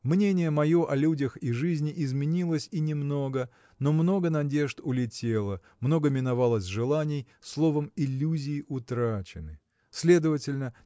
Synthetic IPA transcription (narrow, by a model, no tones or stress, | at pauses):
mnʲenʲɪjəmɐjo̞ʔɐlʲudʲəxiʐɨzʲnʲɪʔɪzmʲɪnʲilˠəsʲinʲɪmno̞ɡə | no̞mno̞ɡənɐdʲe̞ʐt̪ʊlʲɪtʲe̞lˠə | mno̞ɡəmʲɪnɐvalˠəsʲʐɨlˠanʲɪj | slˠo̞vəmɪlʲːuzʲɪːʔʊt̪ɾat͡ɕɪ̰nɨ | sʲlʲe̞d̪əvətʲɪlʲnə